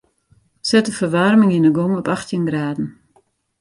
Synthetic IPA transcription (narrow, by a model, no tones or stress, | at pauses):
sɛtəfərʋarmɪŋinəɡɔŋɔpaxtʰjənɡraːdn̩